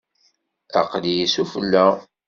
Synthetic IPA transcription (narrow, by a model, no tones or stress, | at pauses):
æ̰qlijisufəlːæ